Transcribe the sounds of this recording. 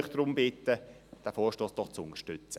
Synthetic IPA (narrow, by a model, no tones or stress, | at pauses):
χd̥ɾʊmbɪt̪ːə | d̥æfoːʃtoːsd̥ɔχt͡sʊŋəʃtʏt͡sə